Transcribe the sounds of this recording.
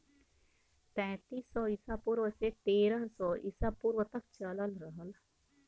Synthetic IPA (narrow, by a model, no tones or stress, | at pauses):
pɛ̃ːt̪iːsːɔːɪsapuɾʋəset̪eːɾəɦsɔːʔɪ̰sapuɾwət̪əkt͡ʃələlɾəɦəl